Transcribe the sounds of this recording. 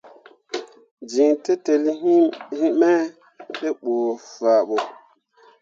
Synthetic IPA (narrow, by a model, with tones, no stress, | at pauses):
d͡ʒi˨ŋte˦te˨li˦hi˦mɛ˦ | te˦ɓo˨fa˨ɓo˨